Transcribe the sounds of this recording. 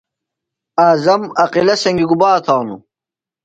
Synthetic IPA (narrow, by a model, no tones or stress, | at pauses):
aːzɐmɐqilɐsɐŋɡiɡubaːt̪ʰɑːnṵ